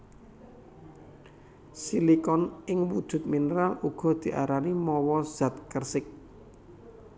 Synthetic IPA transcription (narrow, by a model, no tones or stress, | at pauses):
silikɔnɪŋwud̥ʒ̥ʊ̤t̪̚minəɾaluɡ̥ɔ̤d̪̥i̤ʔa̰ɾanimɔwɔz̥at̪̚kərsɪk̚